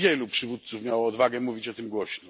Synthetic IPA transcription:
jɛlupʂɘvut̪̚t̪sufmʲjawɔːd̪vaɡɛmuvʲit͡ɕɔt̪ɘmɡwɔɕnɔ

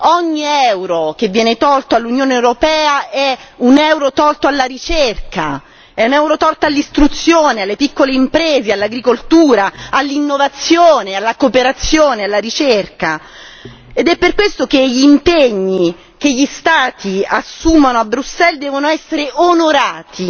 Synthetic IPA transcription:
ɔɲːiɛwɾok̟evːjɛːnet̪ɔlt̪oalːunjoːneewɾopɛːaɛunɛwɾot̪ɔlt̪oalːaɾit͡ʃerka | ɛunɛwɾot̪ɔlt̪alːist̪ɾut̪sːjoːnealːepikːoleimpɾeːzealːaɡɾikolt̪uːɾaalːinːovat̪sːjoːnealːakopeɾat̪sːjoːnealːaɾit͡ʃerka | ed̪ɛpːerkwest̪okeʎimpeɲːi | keʎːist̪aːt̪iasːumanoabːɾusːɛld̪ɛːvonoɛsːeɾeʔonoɾaːt̪ʰi

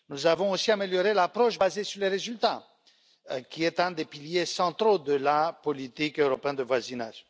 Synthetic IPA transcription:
nuzavɔ̃osiameljɔʁelapχɔʃbazesyʁleʁezylt̪a | kʲiɛt̪ɛ̃d̪epiljesɑ̃t̪χod̪əlapɔlit̪ikøʁɔpeɛ̃nd̪əvwazinaʒ

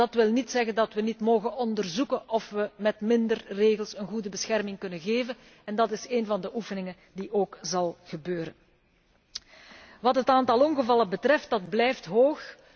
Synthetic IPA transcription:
dɑtʋɪlˠnitsɛɣəndɑtʋənitmoːɣənɔndərzukənʔɔfʋəmɛtmɪndərreːɣəlˠsənɣudəbəsxɛrmɪŋkɵnənɣeːvən | ɛndɑtɪseːnvɑndəʔufənɪŋən | diʔoːkzɑlˠɣəbøːɾə̰n | ʋɑtɦətaːntɑlˠɔŋɣəvɑlˠəbətrɛft̚dɑd̚blɛjftɦoːx

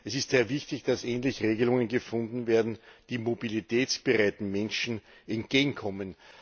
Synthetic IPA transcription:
ʔɛsɪstz̥eːɐvɪçtɪçd̥asɛːnlɪçʁeːɡəlʊŋənɡəfʊ̃ndn̩veːɐdn̩d̥iːmobilitʰɛːt͡sb̥əʁaɪtn̩mɛnʃn̩ | ʔɛnt̚ɡ̥eːɡŋ̩kʰɔmən

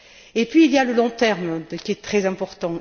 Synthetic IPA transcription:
epɥiːljaləlɔ̃t̪ɛʁmkʲiɛt̪χɛzɛ̃pɔʁt̪ɑ̃

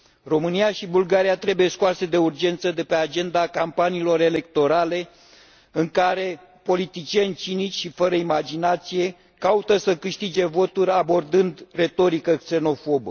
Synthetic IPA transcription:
ro̞mɨniaʃibulɡaɾijat̪ɾe̞buje̞skuase̞d̪e̞urd͡ʒe̞nt̪səd̪e̞pe̞ad͡ʒe̞nd̪akampaniːlo̞ɾe̞le̞k̚t̪o̞ɾale̞ | ɨŋkaɾe̞ | po̞lit̪it͡ʃie̞nʲt͡ʃinit͡ʃʲʃifəɾəimad͡ʒinat̪sije̞ | kaut̪əsəkɨʃt̪id͡ʒe̞vo̞t̪uɾʲabo̞rd̪ɨnd̪re̞t̪o̞ɾikəkse̞no̞fo̞bə

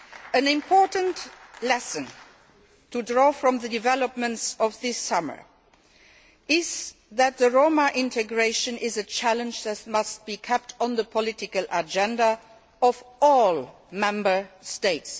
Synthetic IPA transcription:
ɨ̃nɪ̃mpʰɔɹtə̃n̩tlɛsə̃n | tʰudɹɔːfɹʌ̃mðədɪvɛləp̚mə̃ntsɔvðɪsʌmə̰˞ | ʔɪzðæt̪̚ðəɹoʊməʔɪ̃ntʰɨɡɹeɪʃə̃nɪzɨt͡ʃʰælə̃nd͡ʒðɨtmʌst̚b̥ikʰɛp̚tʰn̩ðəpʰɔlɪtɪkəlʔəd͡ʒɛ̃nda | ɔvɔl | mɛ̃mbə˞steɪts

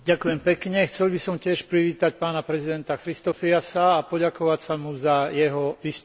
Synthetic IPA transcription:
ɟakujɛmpɛkɲɛxt͡sɛlbisɔmcɪɛʃpɾiʋiːt̪ac̚paːnapɾɛzid̪ɛnt̪axɾist̪ɔfiasaːpɔɟakɔʋacsamuzajɛɦɔʋiːst̪

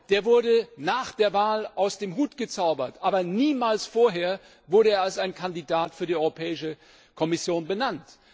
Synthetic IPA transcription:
d̥eːɐvʊɐdənaːχd̥eːɐvaːlʔaʊsd̥eːmɦuːtɡ̥ət͡saʊbɐtʔaːbɐniːmaːlsfoːɐɦeːɐ | vʊɐɾəeːɐalsaɪnkʰandidaːtfyːɐdiʔɔʏʁopʰɛːɪʃə | kʰɔmɪsjoːnbənant

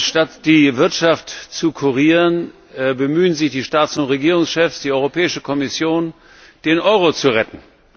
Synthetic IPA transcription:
ʃtatd̥iːvɪɐtʃaftt͡sukʰuʁiːʁən | bəmyːənzɪçd̥iːʃtaːtsʊntʁeɡiːʁʊŋsʃɛfsd̥iːʔɔʏʁopʰɛːɪʃəkʰɔmɪsjoːn | d̥eːnʔɔʏʁot͡suʁɛtn̩

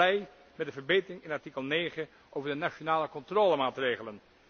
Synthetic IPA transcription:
ɛj | mɛt̚dəvəɹbejtərɪŋɪnɑɹtikəlˠneːχə | ʔowvəɹdənaʃonaːləkɔntroːləmaːtreːχələn

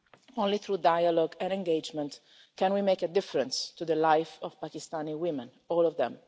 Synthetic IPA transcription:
õnliθɾudajalɔɡɛ̃nɛ̃ŋɡed͡ʒmɛ̃nt̪ | kɛ̃nwimejkəd̪ɪfəɾɛ̃nst̪ud̪əlajfɔv̥pakist̪aniwɪmɛ̃n | ɔːlɔvd̪ɛ̰̃m

